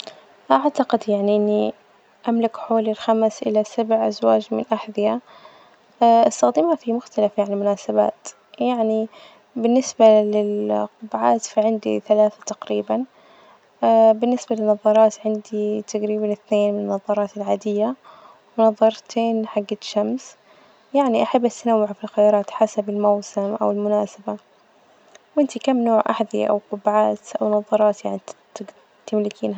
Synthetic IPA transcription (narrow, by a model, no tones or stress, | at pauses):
ʔaʕt̪aqɪd̪jaʕniʔɪnːi | ʔamlakħoːlɪlxamsʔɪ̰lasabʕʔazwaːd͡ʒmɪnʔaħðɪja | ʔɪst̪axd̪iːmafimʊxt̪alafjaʕnimʊnaːsaba̰ːt̪ | jaʕni | bɪnːɪsbalɪlqʊbʕaːt̪fiʕɪnd̪ḭθalaːθḁt̪aqɾiːban | abɪnːɪsbalɪnːɑðˤɑɾˤɑːt̪ʕɪnd̪it̪ʰaɡɾiːbanɪθneːnmɪnɪnːɑðˤɑɾˤɑːt̪ɪlʕaːd̪ɪjːa | wwɪnɑðˤɑɾˤt̪ʰeːnħaɡːaʃːams | jaʕniʔaħabːʔat̪anawːɪʕfilxajɑːɾˤɑːt̪ħasabɪlmawsɪmʔa̰wɪlmʊnaːsaba | wʔɪnt̪ikamːnoːʕʔa̰ħðḭʔa̰wqʊbʕaːt̪ʔa̰wnɑðˤɑɾˤɑːt̪jaʕnit̪ɪ | t̪ɪmlɪkiːnɦa